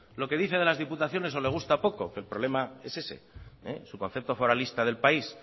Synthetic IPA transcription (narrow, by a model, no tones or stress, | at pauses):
lo̞ke̞ðiθe̞ðe̞lazðiput̪aθjo̞ne̞so̞le̞ɣ̞ust̪apo̞ko̞kelpɾo̞βle̞mae̞se̞se̞̰ḛsuko̞nθe̞p̚t̪o̞fo̞ɾalist̪aðelpais